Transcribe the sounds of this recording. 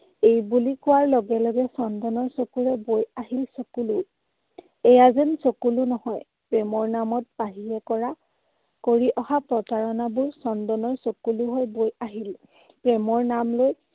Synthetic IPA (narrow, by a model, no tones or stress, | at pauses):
ejbulikʊwaɹlɔɡɛlɔɡɛsɔndɔnɔɹsokuɹɛbojaɦilsokulu | ɛjazɛnsokulunɔhɔj | pɹɛmɔɹnamɔt̚paɦiɛkɔɹa | koɹiʔɔhapɹɔtaɹɔnabʊɹsɔndɔnɔɹsokuluɦɔjbojaɦil | pɹɛmɔɹnamloj